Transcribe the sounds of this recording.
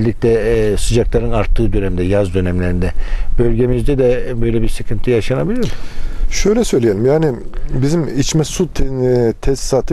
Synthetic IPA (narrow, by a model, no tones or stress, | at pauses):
lʲːic̚t̪ʰɛsɯd͡ʒaklˠaɾɯnaɾt̪ʰːɯːd̪ø̞nɛmd̪ɛjazd̪ø̞nɛmlʲeɾind̪ɛb̥ølʲɟe̞mizd̪ɛd̪ɛbøjlʲɛbiɾsicʰɯnt̪ʰijaʃanabilʲiɾʃøjlʲɛsø̞jlʲijelʲimjaːnɪbizimit͡ʃmɛsut̪ʰt̪ʰɛst̪saːt̪ʰɯ